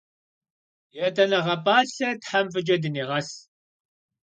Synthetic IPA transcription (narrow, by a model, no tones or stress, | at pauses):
jɛtʰʼɐnɐʁɐpʼaːɬɐtħamfɨd͡ʒɐdɨneːʁɐs